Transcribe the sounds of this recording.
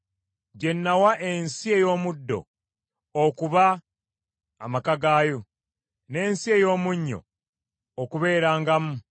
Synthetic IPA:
ɟe̞nːawaʔe̞nsie̞jo̞ːmudːo̞̰ː | kuβa | makaɡaːjo | ne̞ːnsie̞jo̞ːmuɲːo̞̰ː | kuβe̞ːɾaːŋɡamu

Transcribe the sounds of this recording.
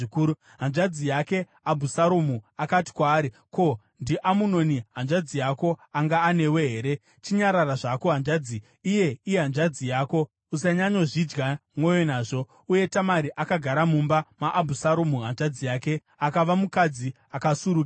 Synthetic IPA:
ikuːu | ɦanʐad͡zijake̞ | abʱusaɾomuakati̥kwaːɾi | ko̞ | ndiʔamuno̞niɦanʐad͡zijako̞aŋɡaːne̞we̞ɦe̞ːɾe̞ | t͡ʃiɲaɾaraʐako̞ɦand͡ʒad͡ziː | je̞ijeɦand͡ʒad͡zijaːko̞ | usaɲaɲo̞ʐid͡ʒɡamwo̞jonaːʐo̞ | uje̞tamaɾiʔakaɡʱaɾamumbamaʔːbʱusaɾomuɦand͡ʒad͡zijaːke̞ | akaʋamukad͡zi | akasuɾuk

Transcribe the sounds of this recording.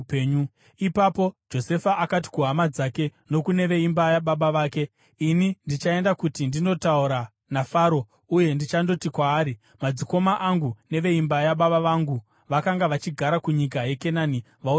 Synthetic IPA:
eɲ | ipapo̞d͡ʒo̞se̞faʔakati̥kuɦamad͡zake̞no̞kune̞ʋe̞imbajaɓaɓaʋaːke̞ | inindit͡ʃae̞ndakutindino̞tauɾa | nafaːɾo̞ | uje̞ndit͡ʃando̞tikwaːɾi | mad͡ziko̞maʔaŋɡune̞ʋe̞imbajaɓaɓaʋaŋɡu | ʋakaŋɡaʋat͡ʃiɡʱaɾakuɲik̬aje̞ke̞nani | ʋau

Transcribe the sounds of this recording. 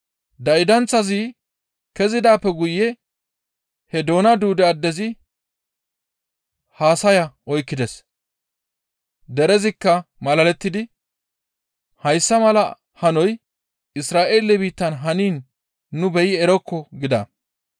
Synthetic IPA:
d̪ɐɪd̪ɐnt͡sːɐzi | kɛzɪd̪aːpːɛɡʊjːɛ | hɛd̪o̞ːnɐd̪uːd̪ɛɐd̪ːɛzɪ | haːsɐjɐɔjkːɪd̪ɛs | d̪ɛɾɛzɪkːɐmɐlɐlɛt̪ːɪd̪ɪ | hɐjsːɐmɐlɐ | hɐnɔj | ɪsɾaːʔeːlɛbiːt̪ːɐnɦɐniːnː | ʊbɛjɪɛɾɔkːɔɡɪd̪ɐ̰

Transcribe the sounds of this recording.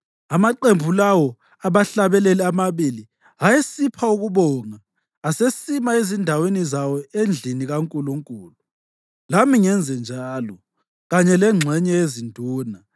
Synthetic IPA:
amaǃembʱulawɔ | aβaɬaβɛlɛlɛamaβili | ajesipʰauɣuβɔŋaː | sesimaezindʱawenizawɔend͡ɮʱiniɣaŋkʼuluŋkʼuːlu | lamiŋɛnd͡zʱɛnd͡ʒʱaːlɔ | ɣaɲɛlɛŋ͡ǁʱɛɲɛjezindʱuːna

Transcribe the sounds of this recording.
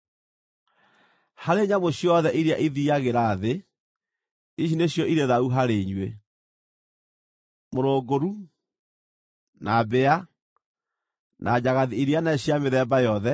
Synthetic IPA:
haɾeɲamoɕjɔðɛʔiɾjaʔiðiaɣeɾaðe | iɕ̬ineɕjɔʔiɾeðauɦaɾeɲwe | moɾoːɡoɾu | nabea | nʔa̰d͡ʑaɣaðiiɾianaɕiameðɛmbajɔðɛ

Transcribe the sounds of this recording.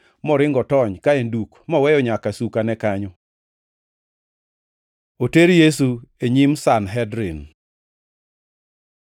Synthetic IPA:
mɔɾɪŋɡɔtɔɲkaendukmɔwɛjɔɲakasukanɛkaɲɔ | oteɾjes̬ueɲimsanɦɛdɾin

